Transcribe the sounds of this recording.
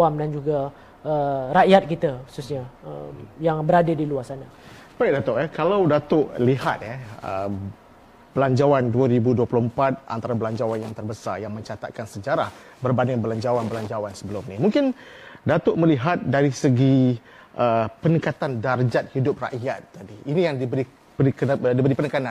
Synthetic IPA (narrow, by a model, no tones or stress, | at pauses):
amdand͡ʒuɡa | əɾaʔjat̪̚kit̪əxu̥susɲa̰ | jaŋbəɾadədiluasana | b̥aidat̪ʊʔɛkalawdat̪ʊʔliɦat̪̚ɛə̰ | b̥əlaɲd͡ʒawanduaɾibuduəpluəmpat̪̚ʔa̰nt̪aɾabəlaɲd͡ʒawanjaŋt̪ərbəsa̰jaŋmə̃ɲt͡ʃat̪a̰t̪̚kansəd͡ʒaɾah | bərbanɪŋbəlaɲd͡ʒawanbəlaɲd͡ʒawansəbəlʊmnimuŋkɪn | dat̪ʊʔməliɦat̪̚daɾisəɡi | ʔəpənəkat̪andard͡ʒat̪̚hidʊp̚ra̰ʔjat̪ːadiːnijaŋdibəɾi | pəikədibəɾipənəkanãn